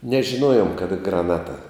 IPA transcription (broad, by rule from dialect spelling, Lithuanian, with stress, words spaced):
nʲɛʒʲɪˈnuɔjoːm kɐˈdɐ ɡrɐˈnɑːtɐ